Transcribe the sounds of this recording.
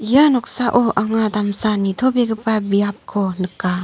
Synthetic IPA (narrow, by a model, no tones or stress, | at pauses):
ijanɔk̚saʔɔʔaŋadamsanit̪ʰɔbeɡɯpabijap̚kʰɔnɯkːa